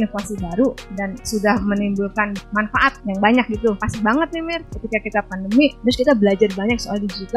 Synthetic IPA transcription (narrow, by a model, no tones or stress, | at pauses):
nkuasibaɾudansudahmənimbulkanmanfaʔat̪̚jaŋbaɲak̚ɡit̪upasibaŋət̪̚nimɪrkət̪ikakit̪apandəmit̪ɾʊskit̪abəlad͡ʒarbaɲak̚soaldid͡ʒuɡa